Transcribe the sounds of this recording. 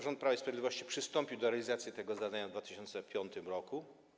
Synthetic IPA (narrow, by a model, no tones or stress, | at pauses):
ʐɔnt̪pɾavaispɾavʲed̪ʲlʲivɔɕt͡ɕi̥pʂɘst̪ɔmpʲiwd̪ɔɾɛalʲizat̪sʲjit̪ɛɡɔzad̪aɲavd̪vat̪ɘ̥ɕɔnt̪sɛpʲjɔnt̪ɘmɾɔku